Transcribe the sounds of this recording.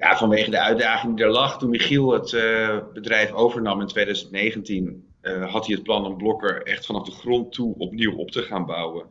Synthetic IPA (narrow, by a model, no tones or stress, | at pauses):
ja̰ːvɑnʋejχədəœɥ̚daːχɪŋdidəɹlɑχtunmiχilˠətbədrɛjfowvəɹnɑmɪntʋejdœɥzəntnejχəntin | ɦɑtiət̚plɑnɔnblɔkəɹɛ̰χtfɑnɑvdəχrɔntuɔ̰pniwʔɔ̰p̚təχaːnbʌwən